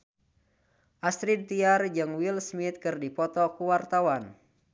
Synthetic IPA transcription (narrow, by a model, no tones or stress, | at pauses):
ʔast̪ɾidt̪iard͡ʒɨŋwilsmit̪̚kɨrdipɔt̪ɔkuwart̪awan